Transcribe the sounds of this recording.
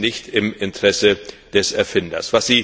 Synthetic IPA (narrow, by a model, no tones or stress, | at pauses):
nɪçtɪmɪntəʁ̥ɛsə | d̥ɛsɛɐfɪndɐ̰sv̥asz̥iː